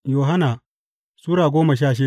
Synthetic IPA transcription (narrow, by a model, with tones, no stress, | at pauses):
joː˨ɦa˦naː˨ | suː˦ɽaː˨ɡʷoː˦mɐ˨ʃ̬aː˦˨ʃ̬eː˦